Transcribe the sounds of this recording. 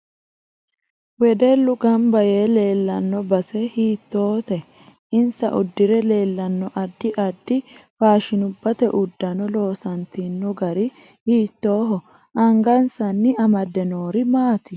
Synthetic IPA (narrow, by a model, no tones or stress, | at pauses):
wɛd̪ɛlːʊɡɐmbɐje̞ːle̞ːlːɐnːɔbɐsɛhiːt̪ːo̞ːt̪ɛ | ɪnsɐ̰ʔʊ̰d̪ːɪɾɛle̞ːlːɐnːɔʔɐd̪ːɪʔɐd̪ːɪfaːʃɪnʊbːɐt̪ɛʔʊd̪ːɐnɔlo̞ːsɐnt̪inːɔɡɐɾɪ | hiːt̪ːo̞ːɦɔ | ʔɐŋɡɐnsɐnːɪɐmɐd̪ɛnoːɾɪmaːt̪ɪ